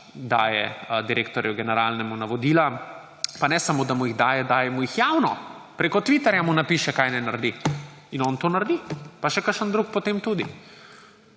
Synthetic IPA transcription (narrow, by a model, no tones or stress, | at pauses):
d̪a̰ːjɛ̰d̪iɾeːkt̪ɔɾjuɡɛnɛɾaːlnɛmunaʋɔd̪iːla | panɛsamoːd̪amuiɣd̪aːjɛd̪aːjɛmujixjawnɔpɾeːkɔt̪ʋit̪ɛɾjamunapiːʃɛkajnɛnaɾd̪i | inɔnt̪onaɾd̪ipaʃɛkəɾʃənd̪ɾuːk̚pɔt̪eːmt̪uːd̪i